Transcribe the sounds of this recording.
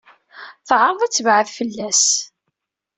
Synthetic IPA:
θʕəɾˤðˤæt͡sːəvʕəvfəlːæs

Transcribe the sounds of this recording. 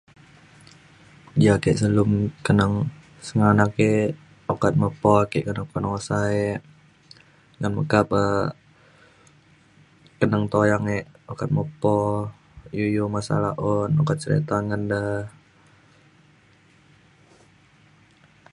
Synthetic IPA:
jakeʔsəlʊmkənəŋ | səŋanake | okat̪̚məpɔkeʔkənəkɔnosaeʔ | ŋanməkap̚ə | kənəŋt̪ojaŋeʔokat̪̚məpɔ | jujumasa̰laʔɔnokat̪̚t͡ʃəɾḛt̪anŋəndah

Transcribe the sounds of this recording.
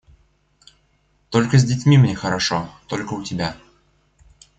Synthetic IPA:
t̪o̞lʲkəzʲdʲɪtʲmʲimnʲexəɾɐʂo̰t̪o̞lʲkəʊtʲɪbʲa

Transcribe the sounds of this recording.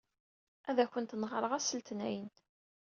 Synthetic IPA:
ʔæðæçʷənt̪nʁɾˤəʁæsəlt̪næjən

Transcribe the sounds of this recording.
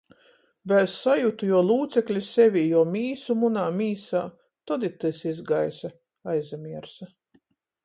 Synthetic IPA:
vɛssajut̪ujɔɔlˠuːt̪sɛklʲisevʲijɔɔmʲiːsumunaːmʲiːsaː | t̪ɔd̪it̪ɨsizɡajsa | ajzamiɛɾsa

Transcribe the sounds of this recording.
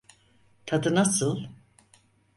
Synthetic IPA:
t̪ʰad̪ɯnasɯlˠ

